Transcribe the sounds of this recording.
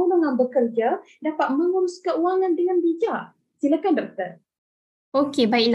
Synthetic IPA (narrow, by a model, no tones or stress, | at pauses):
unaŋãnbəkərd͡ʒa | dapat̪̚məŋuɾuskəuaŋãndəŋanbid͡ʒaʔ | silakandɔk̚t̪ər | okebaiʔla